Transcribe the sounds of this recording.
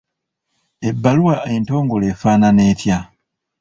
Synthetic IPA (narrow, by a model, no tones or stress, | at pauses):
e̞bːaluwaʔe̞nto̞ːŋɡoleːfaːnane̞ːtja